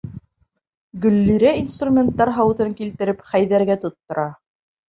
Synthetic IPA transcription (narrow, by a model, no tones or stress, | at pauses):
ɡɵ̆lːiɾæinst̪rumʲent̪ːɑɾɦɑwt̪ɤŋkilt̪ɘ̆ɾɘpχæjðæɾɡæt̪ŏt̪ːŏɾɑ